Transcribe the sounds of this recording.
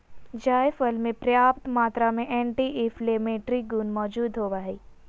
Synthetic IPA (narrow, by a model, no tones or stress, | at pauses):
d͡ʒaːjfəlmẽpɾjaːp̚t̪maːt̪ɾamẽʔeːɳʈiʔefleːmeːʈɾiɡunmɔːd͡ʒuːd̪ɦoːʋaːɦiː